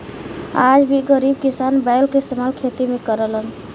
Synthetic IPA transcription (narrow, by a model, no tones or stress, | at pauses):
ad͡ʒbʱiɡəɾib̚kisanbajlkeɪst̪emalkʰet̪imekəɾələn